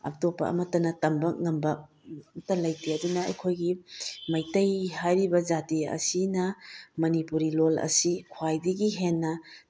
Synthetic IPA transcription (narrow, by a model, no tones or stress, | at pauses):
ɐ̰k̚topːɐ̰ɐ̰mɐtɐnɐtɐmbɐk̚ŋɐmbɐ | tɐlɐjtiɐdunɐɐ̰jkʰojɡimɐjtɐjhajɾibɐd͡ʒatiɐ̰sinɐmɐnipuɾilolɐ̰sikʰwajdɐɡiɦenːɐ